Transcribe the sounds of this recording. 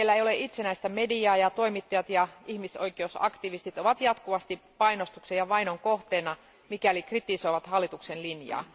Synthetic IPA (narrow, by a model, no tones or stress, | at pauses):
elːæeijoleʔit̪senæist̪æmediɑːjɑt̪oimit̪ːɑjɑt̪jɑihmisoikˑeousɑ̰kt̪iʋist̪it̪oʋɑt̪jɑt̪kuʋɑst̪ipɑinost̪uksejɑʋɑinoŋkoht̪eːnɑ | mikælikrit̪iso̞jʋɑt̪hɑlːit̪uksenlinjɑ̰ː